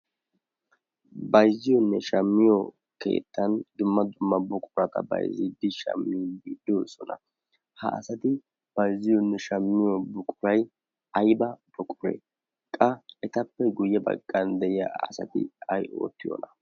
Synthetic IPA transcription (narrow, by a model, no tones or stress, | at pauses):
bɐjzɪjɔnːɛʃɐmːɪjɔ | kḛːt̪ːɐnd̪ʊmːɐd̪ʊmːɐbʊkʼʊɾɐt̪ɐ̰bɐ̰jzid̪ɪʃɐ̰mːɪbiːd̪ːosɔnɐ̰ | hɐ̰ʔɐ̰sɐt̪ɪ | b̥ɐjzɪjɔnːɛʃɐmːɪjɔbʊkʼʊɾɐj | ɐjbɐb̥ʊkʼʊɾḛː | kʼɐɛt̪ɐpːɛɡʊjːɛbɐ̰ɡʼːɐnd̪ɛjɪɐ̰ɐ̰sɐ̰t̪ɪ̰ɐjo̰ːt̪ːɪjo̰ːnɐ